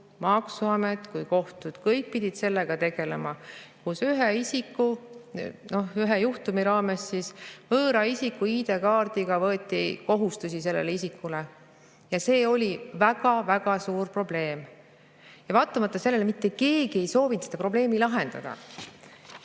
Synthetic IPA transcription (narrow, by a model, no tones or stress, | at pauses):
mɑksuɑmet̪ːˑkujko̞ht̪ud̪̥kɤjk̚pid̪̥ʲid̪̥se̞lːe̞ɡ̥ɑt̪e̞ɡ̥e̞lemɑkusyɦeisikːˑu | no̞yɦejuht̪umiɾɑːme̞sːisvɤːɾɑisikːˑuiːd̪̥e̞kɑːrd̪̥iɡ̥ɑvɤːt̪ːˑiko̞ɦust̪usʲise̞lːḛleisikːule | jɑse̞ːo̞lʲivæɡ̥ɑvæɡ̥ɑsuːrpro̞ble̞ːm | jɑvɑːt̪ːˑɑmɑt̪ˑːɑse̞lːe̞lemit̪ːeke̞ːɡ̥ie̞jso̞ːvint̪sed̪̥ɑpro̞ble̞ːmilɑɦe̞nd̪̥ɑ̰d̪̥ɑ̰